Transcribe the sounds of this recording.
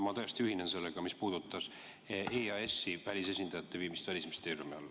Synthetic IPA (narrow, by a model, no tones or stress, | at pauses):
mɑt̪ojst̪iyhinense̞lːeɡ̥ɑmispuːd̪̥ut̪ːˑɑs | eːɑesːivælʲis̬e̞sʲind̪̥ɑjɑt̪ːe̞viːmist̪vælʲismist̪eːrjumiɑ̰lː